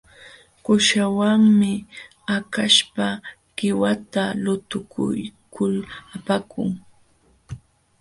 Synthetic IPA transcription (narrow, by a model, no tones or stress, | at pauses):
kʊʃawaŋmɪ | akaʃpa | ɢ̥ɪwat̪alʊt̪ʊkʊ̰jkʊlapakʊ̰ŋ